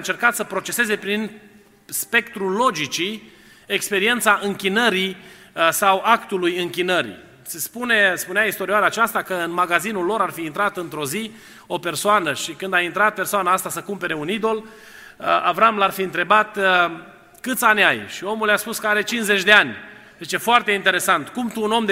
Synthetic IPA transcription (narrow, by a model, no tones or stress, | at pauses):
ɨnt͡ʃe̞rkat̪səpɾo̞t͡ʃe̞se̞ze̞pɾin | spe̞kt̪ɾulo̞d͡ʒit͡ʃi | ekspe̞ɾie̞nt̪saʔɨŋkʲinəɾi | sawakt̪ulujɨŋkʲinəɾḭ | se̞spune̞spuneaist̪o̞ɾiaɾat͡ʃast̪akəɨnmaɡazinulːo̞ɾarfiːnt̪ɾat̪ɨnt̪ɾo̞zi | o̞pe̞rsoanəʃikɨnd̪aint̪ɾat̪̚pe̞rsoanaast̪asəkumpe̞ɾe̞unid̪o̞l | avɾamlarfiɨnt̪ɾe̞bat̪ | kɨt̪sanʲajʃio̞muljaspuskəaɾe̞t͡ʃinsze̞t͡ʃʲd̪e̞anʲd̪et͡ʃefoart̪e̞int̪e̞ɾe̞sant̪kumt̪uːno̞md̪